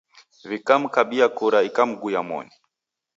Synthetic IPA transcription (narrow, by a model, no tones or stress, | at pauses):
vikam̩kaɓiakuɾaikam̩ɡujamɔ̰ni